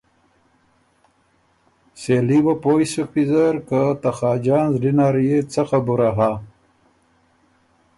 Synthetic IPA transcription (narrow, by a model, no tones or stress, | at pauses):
seliwapoːjsupizɐɾkat̪axaːd͡ʒaːnzɖinaːɾjet͡saxabuɾaɦa